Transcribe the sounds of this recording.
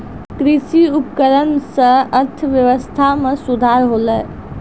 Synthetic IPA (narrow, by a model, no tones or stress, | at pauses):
kɾɪsiʊpkəɾənseəɾt̪ʰəʋjəʋəst̪ʰamẽsʊd̪ʱaːɾɦoːləː